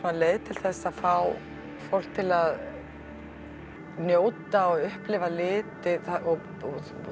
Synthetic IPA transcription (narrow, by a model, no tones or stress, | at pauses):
naleːjðt̪ʰɪlθɛsːaðfaw | fowl̥k̚t̪ʰɪlað | njoːwt̪aɔɣʏhplɪvalɪːt̪ɪaɔ | ɔ